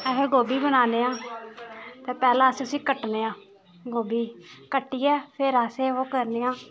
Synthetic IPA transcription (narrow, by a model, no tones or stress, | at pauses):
ɛkəɾɡoːbiːbənaːneːãː | t̪eːpɛːlãːsʊsĩːkəʈneːãː | ɡoːbiːkəʈːiːɛːpʰeɾaːseːoːkəɾneːãː